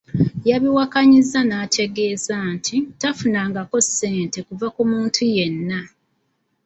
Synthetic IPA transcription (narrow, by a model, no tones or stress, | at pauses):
jaβiwakaɲizanaːtʰe̞ɡe̞ːzantʰitafunaːŋɡako̞sːe̞ːnte̞kuvakumuːntʰuje̞nːa